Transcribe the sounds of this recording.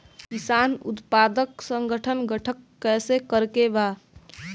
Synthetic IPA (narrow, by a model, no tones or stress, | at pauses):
kisanṵt̪pad̪əksəŋɡəʈʰənɡəʈʰəkːɛsekəɾkeba